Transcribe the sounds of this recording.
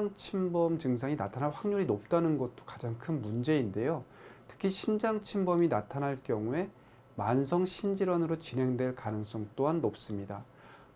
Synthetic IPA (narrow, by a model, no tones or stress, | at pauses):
ŋt͡ɕʰimbʌmd͡ʑɯŋs̬ʰaŋinatʰanaɭɸwaŋɲuɾinop̚t͈anɯnɡʌt̚t͈o̥kḁd͡ʑaŋkʰɯnmund͡ʑe̞inde̞jo | tʰɯ̥kʰiɕʰind͡ʑaŋt͡ɕʰimbʌminatʰanɦaɭk͈jʌŋue̞ | mansʰʌŋɕʰind͡ʑiɾwʌnɯɾot͡ɕinɦe̞ŋdwe̞ɭkanɯŋs͈ʌŋt͈oɦanːop̚s͈ɯmɲida